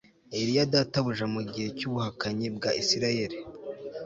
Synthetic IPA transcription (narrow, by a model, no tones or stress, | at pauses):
eɾijadataβuʒamuɟihe̞cuβuhakaɲibɡaʔisiɾaje̞ɾi